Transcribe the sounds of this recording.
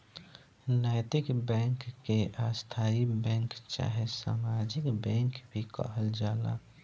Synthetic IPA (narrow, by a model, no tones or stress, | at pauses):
naːjt̪ɪkbɛ̃ŋkːeʔast̪ʰaibɛ̃ŋkt͡ʃa̰ɦesa̰ːmad͡ʒɪkbɛ̃ŋkbʱikə̰ɦəld͡ʒaːla̰